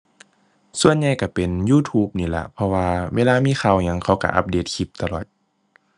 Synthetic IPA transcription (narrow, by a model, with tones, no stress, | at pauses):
su˧˨ənɲa˧jka˧˩pe˨njuː˧˨t̪ʰuː˧˥p̚niː˧˩la̰˧˩pʰɔ˧waː˧wʔeː˧˨laː˧miː˧˥˨xʰa˧˩wɲa˧˨ŋkʰa˧˩wka̰˧˩ʔa̰˧p̚deː˧˩t̪̚kʰi˧˦p̚t̪a˧lɔː˨˩t̪̚